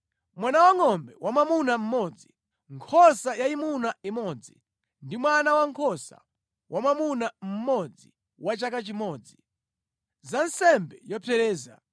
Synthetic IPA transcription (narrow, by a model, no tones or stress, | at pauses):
mwanawaŋɔmbɛwamamunam̩mɔd͡zi | ŋkʰɔsajaimunaimɔd͡zi | ndimwanawaŋkʰɔsa̰ | wʔamamunam̩mɔd͡zḭ | wat͡ʃakat͡ʃimɔːd͡zi | zansɛmbɛjɔpʰɛɾɛːza